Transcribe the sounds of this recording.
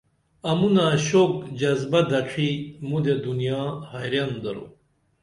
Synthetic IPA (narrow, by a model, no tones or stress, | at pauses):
ɐmunãːɕoːkd͡ʑɐzbɐd̪ɐkʰimũd̪ed̪unijaːhajɾjand̪ɐɾo̰